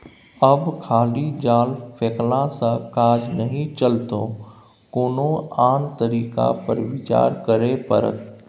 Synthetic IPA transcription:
əbkʰaːlid͡ʒaːlfʰeːklãsãkaːd͡ʒnɐɦĩt͡ʃɐlt̪o | koːnoaːnt̪ɐɾiːka̰pɐɾʋɪt͡ʃa̰ːɾkɐɾepɐ̰ɾə̰t̪

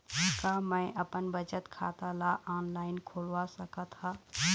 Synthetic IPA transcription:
kamə̃ɪ̃ʔəpənbət͡ʃət̪kʰa̰t̪alaʔaːnlaːɪnkʰoːlʋasəkət̪ha

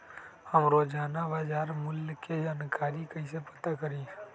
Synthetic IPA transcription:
həmɾoːd͡ʒaːnaʋaːd͡ʒaːɾmʊlked͡ʒaːnkaːɾikəĩsepət̪akəɾiː

